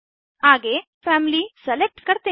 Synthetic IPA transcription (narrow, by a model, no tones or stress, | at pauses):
aːɡe | pʰaːmilisɐlek̚ʈkɐɾt̪eː